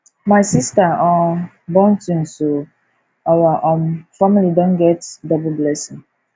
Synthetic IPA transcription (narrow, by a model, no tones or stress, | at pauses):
maɪsistaɔ̃ | bɔ̃ntũnso | awaʔõnfamilidõnɡɛtdɔbl̩blɛsɪ̃ŋ